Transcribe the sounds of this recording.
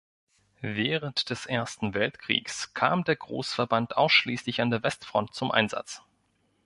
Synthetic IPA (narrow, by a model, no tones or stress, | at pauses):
veːʁəntd̥ɛsʔeːɐstn̩vɛltkʁ̥ḭːkskʰaːmdeːɐɡʁo̰ːsfɛɐbantʰʔaʊsʃliːslɪçandeːɐvɛstfʁ̥ɔ̰nt̚t͡sʊmʔa̰ɪnza̰t͡s